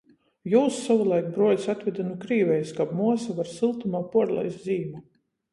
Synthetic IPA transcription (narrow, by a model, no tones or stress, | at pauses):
juːsːavulˠajkbɾuɔjsat̪vʲɛd̪anukɾiːvɛjskabmuɔsavaɾsilˠt̪umaːpuɔɾlˠɛ̰jsziːma